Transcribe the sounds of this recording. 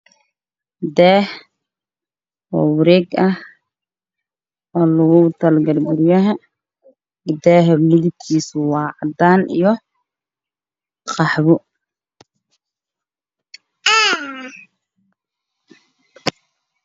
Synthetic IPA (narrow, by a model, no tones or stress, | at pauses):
d̪ɛːh | ɔ̰ːwɪɾɛːɡɐh | ɔːlɐɣʊt̪ʰɐlɡɐlɡʊɾɪjɐɦɐ | d̪ɛːɦɛmɪðɪb̚kʰiːswɑːʕd̪aːnḭjɔ | qɑħβʊ